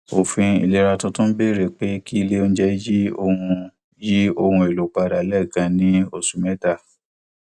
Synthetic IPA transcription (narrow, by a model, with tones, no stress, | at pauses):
o˨fĩ˧ḭ˨le˧ɾa˧tũ˧tũ˦be˦˨ɾe˦˨k͡pe˨˦ki˦i˧le˦õ˧˦d͡ʒɛ˦ji˦o˧hũ˧ | ji˦o˧hũ˧e˨lo˨k͡pa˧ɾa˨lɛ˦˨ɡã˧nĩ˦o˦˨su˨mɛ̃˦ta˦˨